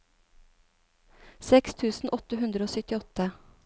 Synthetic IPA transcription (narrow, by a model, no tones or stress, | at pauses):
sɛkst̪ʰʉːsn̩ʔɔt̪əɦʉnd̪ɾəoːsœt̪ɪɔt̪ə